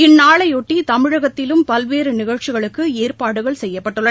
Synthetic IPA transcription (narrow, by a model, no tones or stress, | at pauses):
ɪnːaːɭɐɪɔʈːit̪ɐmɪɻɐɣɐt̪ːɪlɯmpɐlʋeːɾɯnɪɣɐɻt͡ʃɪɣɐɭɯkːɯeːrpaːɽɯɣɐɭsɛjːɐpːɐʈːɯɭːɐ